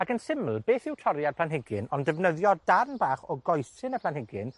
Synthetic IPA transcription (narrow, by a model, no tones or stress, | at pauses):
akənsɪml̩ˠbeːθɪwtʰɔɾjarpʰlanɦɪɡɪnɔndɛvnəðjɔd̥arnbaːχɔɡɔjsɪnəpʰlˠanhɪɡɪn